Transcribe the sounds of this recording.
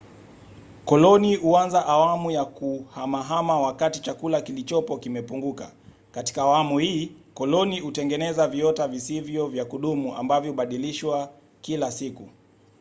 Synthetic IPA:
kɔlɔnihuanzaʔawamujakuhamaɦamawakatit͡ʃakulakilit͡ʃɔpɔkimɛpuŋɡuka̰ | kati̥kaːwamuhiːkɔlɔnihutɛŋɡɛnɛzaviɔtavisivjɔvjakuɗumuʔa̰mbavjɔhɓaɗiliʃwa | kilasiku

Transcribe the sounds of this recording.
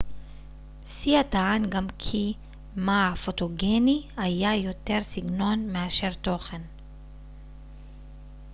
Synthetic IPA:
siat̪aʕanɡamkʰi | maafot̪oɡenihajajot̪e̞ʁsiɡno̞nmeaʃe̞ʁt̪o̞χen

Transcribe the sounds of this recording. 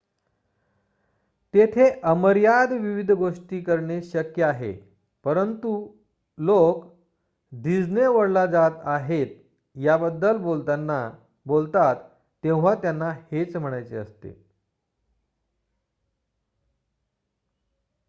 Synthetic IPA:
t̪et̪ʰeʔəməɾjad̪ʋiʋid̪ʱɡoʂʈiːkəɾɳeɕəkjəaɦḛ | pəɾənt̪u | lok | d̪id͡zneʋəɽlad͡zat̪aɦet̪ | jabəd̪ːəlon | bolt̪at̪ː | ẽw̃ʋ̤at̪janːahet͡sm̤əɽ̃ajt͡seə̰st̪ḛ

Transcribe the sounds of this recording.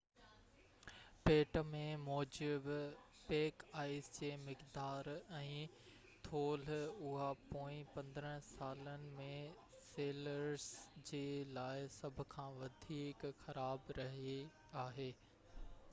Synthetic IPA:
peːʈmẽmɔːd͡ʑɪb | peːkaːɪsd͡ʑeːmɪkd̪aːɾɛ̃ː | t̪ʰoːlʊɦapoːĩpɐ̃nd̪ɾə̃saːlənɪ̆mẽ | seːləɾsd͡ʑeːlaːɪsɐbʱʊ̆kʰãːʋɐd̪ʱiːkxɐɾaːbɾɐɦi | aːɦeː

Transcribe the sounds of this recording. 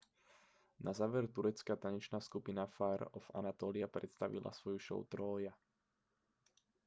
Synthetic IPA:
nʔazaːʋɛɾt̪uɾɛt͡skat̪aɲɛt͡ʃnaːskupinafaːɾɔfa̰nat̪ɔːliapɾɛt̪st̪aʋḭla̰sʋɔjuʃɔ̰ʊt̪ɾɔːja

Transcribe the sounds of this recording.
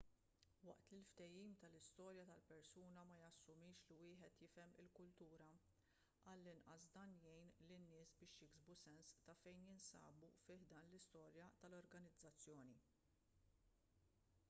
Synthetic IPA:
wɐ̰ʔt̪lɪlft̪ɛjiːmt̪ɐlɪst̪ɔːɾjɐt̪ɐlpɛɾsuːnɐmɐjɐsːʊmɪːʃlɪwɪːħɛt̪jɪfɛmɪ̰lkʊlt̪uːɾɐ | ʔɐlːɪnʔɐsd̪ɐːnjɛjnlɪnːɪːsbɪːʃjɪɡzbusɛnst̪ɐfɛjnjɪnsɐ̰ːbufɪːħd̪ɐːnlɪst̪ɔːɾjɐt̪ɐlɔɾɡɐnɪd͡zːɐt͡sːjɔːni

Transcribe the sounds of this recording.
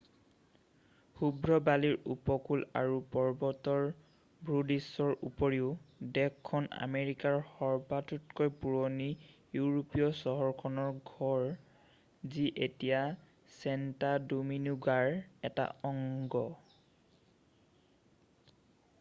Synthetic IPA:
xubɹɔbaliɹupɔkula̰ɹupɔɹbɔtɔɹ | bɹudisɔɹṵpoɹiʊdɛkʰːɔna̰meɹikaɹxɔɹbatutkojpuɹonijuɹopijɔsɔɦɔɹkʰɔnɔɹɡʱɔɹ | ziʔetija | sɛntadominuɡaɹɛta̰ɔŋɡɔ

